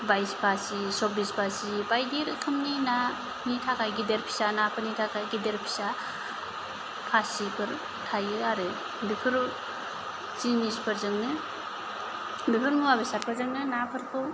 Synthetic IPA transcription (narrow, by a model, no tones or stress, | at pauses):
bajspʰasisɔbispʰasipajdiɾɯkʰɯmnina | nitʰakʰajɡideɾpʰi̥sanapʰɯɾnitʰakʰajɡideɾpʰi̥sa | pʰasipʰɯɾ | tʰajɯaɾɯ | bipʰɯɾ | zinispʰɯɾzɯŋnɯ | bipʰɯɾnuwabesat̚pʰɯɾzɯŋnɯnapʰɯɾkʰɯ